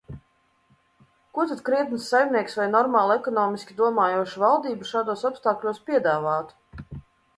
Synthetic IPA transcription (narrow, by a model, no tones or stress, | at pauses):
kuɔt̪ad̪kɾiɛt̪nsːajmʲniɛksvajnɔɾmaːlˠɛkɔnɔːmʲisʲkʲid̪uɔmaːjuɔʃuvalˠd̪iːbuʃaːd̪uɔsɔpst̪aːklʲuɔspʲiɛd̪aːvaːt̪u̥